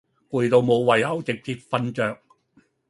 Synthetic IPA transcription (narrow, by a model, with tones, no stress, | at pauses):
ku˨˧jt̪o˨˧wmo˨˧wwɐ˨˩jhɐ˨˥wt͡sɪ˨k̚t͡siː˧t̚fɐ˧nt͡ʃœː˨k̚